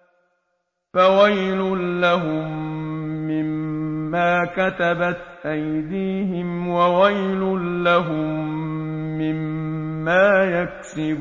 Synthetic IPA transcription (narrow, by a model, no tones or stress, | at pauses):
fawajlʊnlaɦʊmː | ɪmːaːkat̪abat̪ʔajd̪iːɦɪmwawajlʊnlaɦʊmː | ɪmːaːjaksɪb